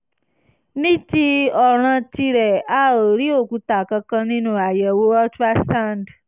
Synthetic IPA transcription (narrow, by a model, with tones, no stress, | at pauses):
nĩ˦ti˧˦ɔ˨ɾ̃ã˧ti˧ɾɛ˨a˦˨o˨ɾi˦o˦˨ku˧˦ta˨kã˧kã˧nĩ˦nũ˦a˨jɛ˨wo˦ɔ˦tɾa˦stã˦˨nd